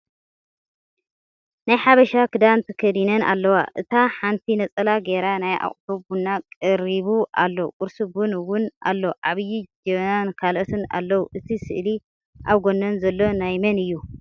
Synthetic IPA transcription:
najħaβɐʃakʰɨd̪ant̪ʰɨkʰɐd̪inɐna̰lːɐwaʔɨt̪ʰaħant̪ʰinɐt͡sʼɐlaɡeɾanaja̰χʼt̪ubunːakʼɨɾiβuʔalːokʼʊɾsubunwʊnʔa̰lːoʔaβjid͡ʒɛβnankʰalot̪ʰɨna̰lːɐwuʔɨt̪ʰisɨʔli | ʔawɡo̞nːɐnzɐlːo̞najmɐnɨjːu

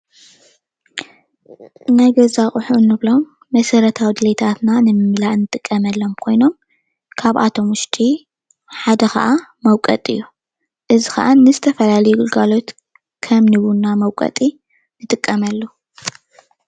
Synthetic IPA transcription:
najɡɐzaχʼʊħunːɨβlo̞mː | ɐsɐɾɐt̪ʰawid̪ɨlet̪ʰat̪nanɨmɨmlaʔnːɨt̪ʼɨkʼːɐmɐlːo̞mkʰo̞jno̞m | kʰaβʔa̰t̪ʰo̞mʊʃt̪ʰʼi | ħad̪ɐxɐ̰ʔamɐwkʼɐt̪ʼɨjːu | ʔɨzixɐ̰ʔanɨzɨt̪ʰɐfɐlalɐjuɡɨlɡalo̞t̪ | kʰɐmnɨβunːamɐwkʼɐ̰t̪ʼi | nɨt̪ʼɨkʼːɐmɐlːu

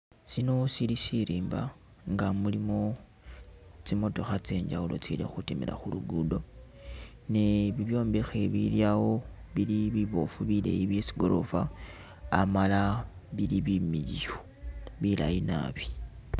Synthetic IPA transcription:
sino̞silisiɾiːmba | ŋɡamulimo̞ | t͡simo̞to̞xat͡se̞ːɲd͡ʒaulo̞̰t͡silḛxutimila̰xuluɡudo̞ | neβiβjo̞ːmbexe̞βḭljawo̞βiliβiβo̞̰fuβilḛjiβjesi̥ɡo̞ɾʔo̞̰faː | malaβiliβimiɟio | βila̰jina̰ːβi̥

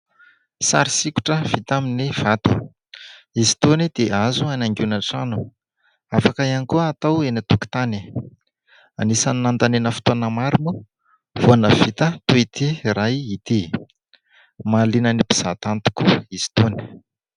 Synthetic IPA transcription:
sa̰ɾisiku̥ʈ͡ʂəv̥it̪aminiv̥at̪ṵ | isi̥t̪onid̪̥eʔazuanaŋɡunaʈ͡ʂanu | afakaianikuːt̪awenat̪uki̥t̪ani | anisaniːant̪anenəfu̥t̪uanəmaɾumu | vuanəv̥it̪ət̪uit̪iɾajit̪i | malinənipi̥z̥at̪ant̪u̥kuist̪oni̥

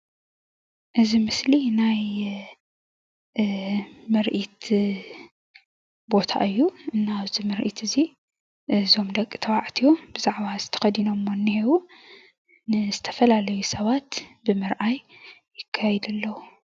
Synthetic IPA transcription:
ʔɨzimɨslinaj | mɨɾʔit̪ | bo̞t̪ʰa̰ʔɨjːuʔɨnːaːβzimɨɾʔit̪ʰɨzi | ʔɨzo̞md̪ɐkʼːɨt̪ʰɐwaʕt̪ʰijob̥ɨzaʕβazɨt̪ʰɐ̥xɐd̪ino̞mːonːihiwu | nɨzɨt̪ʰɐ̥fɐlalɐjusɐβat̪bɨmɨɾʔajː | ɪkʰːajɛd̪ɐlːɐwu

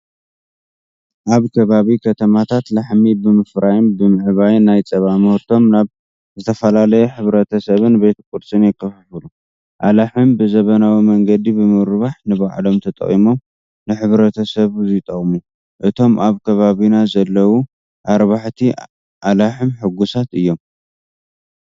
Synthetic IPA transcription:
ʔaβkʰɐβaβikʰɐt̪ʰɐmat̪ʰat̪laħmibɨmɨfɾajɪnbɨmɨʕβajnajt͡sʼɐβamɨhɾt̪ʰo̞mnaβ | zɨt̪ʰɐfɐlalɐjɛħɨβɾɐt̪ʰɐsɐβɨnbe̞t̪kʼud̪sʼɨnjɛkʰːɐfɨħɨlu | ʔalaħɨnbɨzɐβɐnawimɐŋɡɐd̪ibɨmɨɾβaħnɨβaʕlo̞mt̪ʰɐt̪ʼɐ̰χʼḭmo̞m | nɨħɨβɾɐt̪ʰɐsɐβzit̪ʼɐχʼmu | ʔɨt̪ʰo̞mʔaβkʰɐβaβinazɐlːɐwu | ʔaɾβaħt̪ʰi | ʔalaħɨmħɨɡusat̪ɨjːo̞m

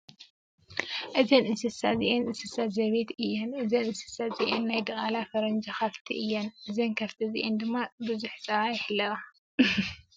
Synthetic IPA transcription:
ʔɨzɐnɨnsɨsaziʔenʔɨnsɨsazɐβet̪ɨjːɛnʔɨzɐnɨnsɨ̥saziʔenːajd̪ɐʔʼalafɐɾɐnd͡ʒaxɐft̪ʰiʔɨjːɛnʔɨzɐnkʰɐft̪ʰizḭʔend̪ɨmːabɨzuħt͡sʼɐβajɛħɨlːɐɣa

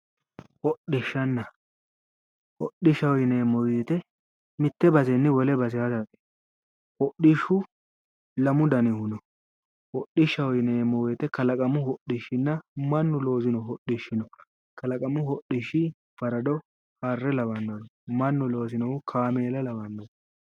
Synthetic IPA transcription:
hɔɗɪʃːɐnːɐ | hɔɗɪʃɐwɔjneːmːɔweːt̪ɛ | mɪt̪ːɛbɐzɛnːɪwɔlɛbɐzɪjazakʼe̥ | hɔɗiʃʊ | lɐmʊd̪ɐnɪhʊnɔ | hɔɗːɪʃːɐwɔjneːmːɔweːt̪ɛkɐlɐkʼɐmʊhɔɗɪʃːɪnːɐmɐnːʊlo̞ːzɪnɔhɔɗɪʃːɪnɔ | kɐlɐkʼɐmʊhɔɗɪʃːɪ | fɐɾɐd̪ɔ | harːɛlɐbɐnːɐd̪ɔmɐnːʊlo̞ːzɪnɔʊkʰaːmeːlɛlɐbɐnːɐdɔ

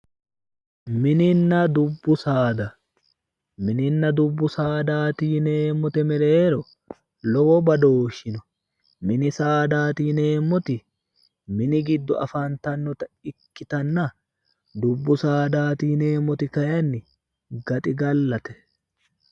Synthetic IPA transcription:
mɪnɪnːɐd̪ʊbːʊsaːd̪ɐ | mɪnɪnːɐd̪ʊbːʊsaːd̪aːt̪iːneːmːɔt̪ɛmɛɾeːɾɔ | lɔwɔbɐd̪oːʃːɪnɔ | mɪnɪsaːd̪aːt̪iːne̞ːmːɔt̪ɪ | mɪnɪɡɪd̪ːɔɐ̰fɐnt̪ɐnːɔt̪ɐɪkːɪt̪ɐnːɐ | d̪ʊbːʊsaːd̪aːt̪iːne̞ːmːɔt̪ɪkɐjɐnːɪ | ɡɐt̪ʼɪɡɐlːɐt̪ɛ̥

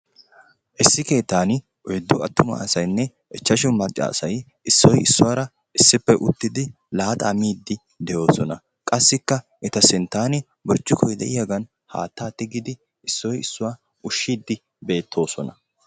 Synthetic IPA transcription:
ʔɪsːɪke̞ːt̪ːaːnɪ | ʔɔjd̪ːʊɐt̪ːʊmɐ̰ɐsɐjnːɛ | ʔɛt͡ʃːɐʃʊmɐt͡ʃʼːa̰ːsɐj | ʔɪsːɔjɪsːʊwaːɾɐ | ʔɪsːɪpːɛʔʊt̪ːɪd̪ɪ | laːt̪ʼaːmiːd̪ːɪ | d̪ɛjo̞ːsɔnɐ | kʼɐsːɪkːɐ | ʔɛt̪ɐsɪnt̪aːnɪ | bɔɾt͡ʃːʊkʰɔjd̪ɛ̰ʔɪjaɡɐn | ha̰ːt̪ːaːt̪ːɪɡɪd̪ɪ | ɪsːɔjɪsːʊwaː | ʊʃːiːd̪ːɪ | be̞ːt̪ʰːo̞ːsɔnɐ

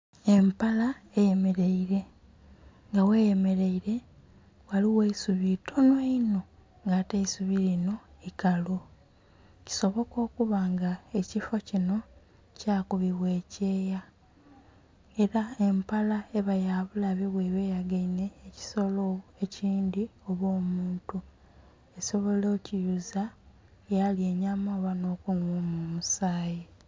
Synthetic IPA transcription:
e̞mpalaeje̞me̞ɾe̞iɾe̞ | ŋɡawe̞je̞me̞ɾe̞iɾe̞ | waliweisuβitʰonweino̞ | ŋɡateisuβilino̞ikalo | ci̥so̞βo̞ko̞ːkuβaːŋɡaecifo̞cino̞ | caːkuβiβwe̞ːce̞ːja | e̞ɾae̞mpalaeβajaβulaβeβweβe̞ːjaɡaine̞ːci̥so̞loe̞ciːndio̞βo̞ːmuːntu | e̞so̞βo̞loːcijuza | jalie̞ɲamoːβano̞ːkunomumusaːji

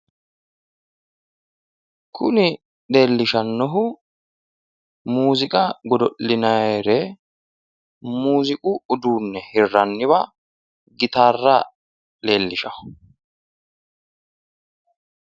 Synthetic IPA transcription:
kʰʊnɪ | ɗe̞ːlːɪʃɐnːɔɦʊ | muːzɪkʼɐɡɔd̪ɔʔːɪnɐjɾɛ | muːzɪkʼʊːd̪uːnːɛhɪrːɐnːɪβɐ | ɡɪt̪aːrːɐ | le̞ːlːɪʃɐhʊ̥

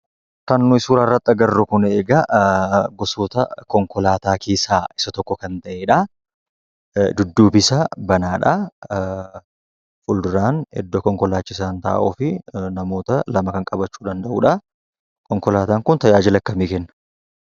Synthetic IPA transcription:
kɐnːʊɪsuːɾaːrːɐt̪ʼːɐɡɐrːʊkʊneːɡɐ | ɡɔsoːt̪ɐkɔŋkɔlaːt̪aːkeːsaːɪsɐt̪ɔkːɔkɐnt̪ɐʔeːᶑɐ | d̪ʊd̪ːuːbɪsɐbɐnaːᶑɐ | fʊld̪ʊɾaːnhɛ̰d̪ːokɔŋkɔlaːt͡ʃːɪsaːnt̪a̰ːʔoːfɪnɐmo̞ːt̪ɐlɐmɐkɐŋkʼɐbɐt͡ʃːuːd̪ɐnd̪ɐʔuːᶑɐ | kɔŋkɔlaːt̪aːŋkʊnt̪ɐjaːd͡ʒɪlɐkːɐmikɛnːɐ̥

